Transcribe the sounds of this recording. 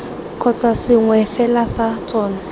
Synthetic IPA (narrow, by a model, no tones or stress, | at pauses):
kʰɔt͡sʰʼasɪŋwɛfɛlasat͡sʼɔːna